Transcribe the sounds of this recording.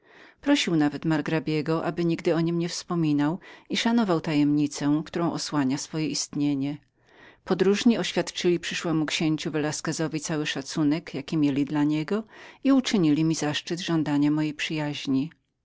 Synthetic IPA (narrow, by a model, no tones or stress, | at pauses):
pɾɔɕiwnavɛt̪maɾɡɾabʲjɛɡɔʔa̰bɘɲiɡd̪ɘɔɲimɲɛfspɔmʲinawiʂanɔvawt̪ajɛmɲit̪sɛkt̪uɾɔ̃w̃ʔɔswaɲasfɔjɛʔist̪ɲeɲɛ | pɔd̪ɾuʐɲiɔɕfʲjat̪t͡ʂɘlʲipʂɘʂwɛmukɕeɲt͡ɕuvɛlaskɛzɔvʲit̪sawɘʂat̪sunɛkjakʲimʲjelʲid̪laɲɛɡɔiut͡ʂɘɲilʲimʲizaʂt͡ʂɘd̪ʐɔ̃nd̪aɲamɔjejpʂɘjaʑɲi